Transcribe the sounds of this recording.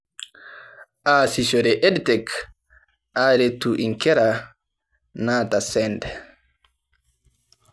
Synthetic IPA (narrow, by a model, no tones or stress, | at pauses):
ʔaːsisɔɾɛʔɛdtɛk | ʔaɾetːuʔiŋkɛɾa | naːtasɛndɛ